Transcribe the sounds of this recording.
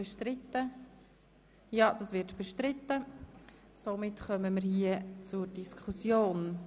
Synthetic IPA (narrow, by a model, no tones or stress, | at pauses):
bɛʃtɾɪt̪ːə | jɑːd̥ɑsʋɪɾtb̥ɛʃtɾɪtːə | somɪtχœməməɾhiːət͡suɾdiskʰusjoːn